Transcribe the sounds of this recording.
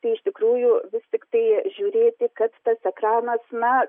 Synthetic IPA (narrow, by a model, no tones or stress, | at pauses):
t̪ɐɪɪʃʲt̪ʲɪkɾuːjʊʋʲɪst̪ʲɪkt̪ɐɪʒʲuɾʲeːt̪ʲɪkɐt̪t̪ɐsɛkrɑːnɐsnɐ